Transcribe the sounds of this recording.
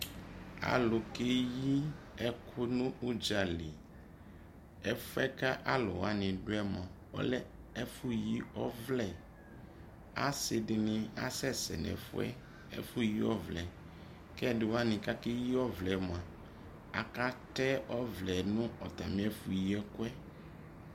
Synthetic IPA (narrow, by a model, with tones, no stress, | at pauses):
a̰˨lo˨ke˦ji˦ɛ˦kʰo˦nũ˦u˦d͡ʒa˨le˨ | ɛ˦fu˦ɛ˦ka˦ʔa˦lɔ̰˨wa˦nĩ˨ɖo˦ɛ˦mã˨wɔ̰˦lɛ˦ | ɛ˦fu˦ji˦ɔ˦vlɛ˨ | a̰˦se˨ɖɪ˨nĩ˦a̰˦sɛ˦sɛ̰˨nɛ̰̃˨fṵ˦ɛ̰˦ | ɛ̰˦fu˦ji˦ɔ˦vlɛ˨ | kɛ˦ɖe˨wa˦nĩ˨ka˦ke˦ji˦ɔ˦vlɛ˨m˨ã˨ | a̰˨ka˦tɛ˦ɔ˦vlɛ˨nũ˦ɔ˨t̪a̰˨mĩ˦ɛ˦fu˨ji˦ɛ˦ku˦ɛ˦